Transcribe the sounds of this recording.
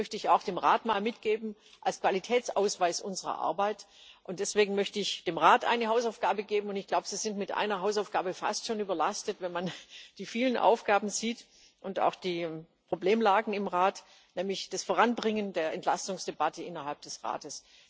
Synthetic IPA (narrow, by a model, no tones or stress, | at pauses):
mœçtəɪçaʊxd̥eːmʁaːtmaːlmɪtɡ̥eːbm̩ | ʔalskv̥alitʰɛːt͡sʔaʊsv̥aɪsʔʊnzəʁɐ̰ʔa̰ɐbaɪt | ʔʊntd̥ɛsv̥eːɡŋ̩mœçtəɪçd̥eːmʁaːtʔa̰ɪnəɦaʊsaʊfɡ̥aːbəɡeːbm̩ʊntɪçɡ̥laʊbəz̥iːzɪntmɪtʔa̰ɪnɐɦaʊsaʊfɡ̥aːbəfa̰stʃoːnyːbɐlastətvɛnmand̥iːfiːlənʔa̰ʊfɡ̥aːbm̩ziːt | ʔʊnta̰ʊxd̥iː | pʁ̥obleːmlaːɡŋ̩ɪmʁaːt | nɛːmlɪçd̥asfoːʁanbʁɪŋəndeːɐɛntlastʊŋsd̥ebatʰəʔɪnɐɦalp̚d̥ɛsʁa̰ːtəs